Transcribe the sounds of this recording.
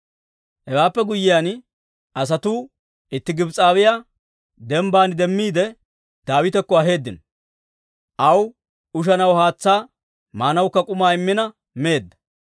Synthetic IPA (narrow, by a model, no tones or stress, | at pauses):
hɛwaːpːɛɡʊjːɪjaːn | ɐs̬ɐt̪uː | ɪt̪ːɪɡɪbt͡sʼaːwɪjaː | d̪ɛmbaːnɪd̪ɛmːiːd̪ɛ | d̪̥aːwɪt̪ɛkːɔɐɦe̞ːd̪ːɪn | ʔɐw | ʊʃ̬ɐnɐwhaːt͡sːaː | maːnɐwkːɐkʼʊmaːɪmːɪnɐ | me̞ːd̪ːɐ̥